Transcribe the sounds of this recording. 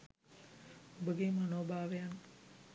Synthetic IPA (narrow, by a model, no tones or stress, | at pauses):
ubəɡemanoːbʱaːʋejan